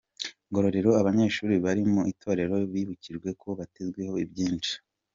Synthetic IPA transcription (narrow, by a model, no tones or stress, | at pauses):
ŋɡo̞ɾo̞ɾeɾo̞aβaɲe̞ːʃuːɾiβaɾimuitʰo̞ːɾe̞ɾo̞βiːβuciɾɡwe̞kʰoβatezɡwe̞ho̞ibɟiːnt͡ʃi̥